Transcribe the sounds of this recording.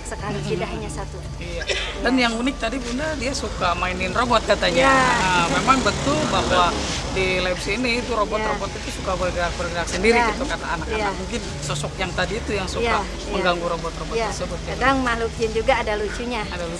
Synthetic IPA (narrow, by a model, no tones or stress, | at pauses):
səkalikidaɦaɲasat̪u | ijadanjaŋunɪk̚t̪adibundadiasukamainɪnrobɔt̪̚kat̪aɲaəmemaŋbət̪ʊlbaɦwa | dilapsiːnit̪uɾobɔt̪robɔt̪it̪usukabərɡiak̚bərɡiaksəndiɾiɡit̪ukat̪aːnak̚aamuŋkɪn | sɔsɔk̚jaŋt̪adiːt̪ujaŋsua | məŋɡaŋɡuɾobɔt̪robɔt̪ːərsəbʊt̪̚jaadaŋmalukiɪnd͡ʒuɡaːdalut͡ʃuɲaadalu